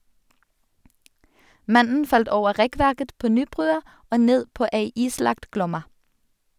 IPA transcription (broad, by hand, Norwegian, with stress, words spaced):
ˈmɑnn̩ ˈfɑlt ˈoːʋə ˈʁɛˌkʋæʁkət ˈpoː ˈnyːˌbʁʉːɑ ˈoː ˈneːd ˈpoː ˈeɪ ˈiːˌslɑkt ˈɡlɔmɑ